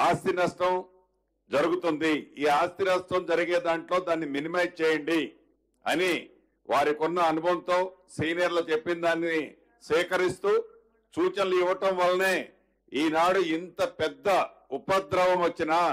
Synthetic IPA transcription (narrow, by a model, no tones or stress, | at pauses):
aːst̪inɐsʈɐm | d͡ʒɐɾuɡut̪und̪iiːaːst̪inɐsʈɐmd͡ʒɐɾiɡe̞ːd̪aːɳʈlo̞ːd̪aːnːiminimɐj̚t͡ʃɛːjɐɳɖi | ɐ̰ni | ʋʔaːɾikɔnːɐːnubʱɐnt̪o̞ːsiːnijɐɾloːt͡ʃepːinid̪aːnini | sʋɛːkɐɾist̪uː | t͡ʃuːt͡ʃɐnɐluiʋːɐʈɐmʋɐlːɐne̞ː | iːnaːɽuint̪ɐpɛd̪ːɐ | upɐd̪ɾɐʋɐmʋɐt͡ʃːinaː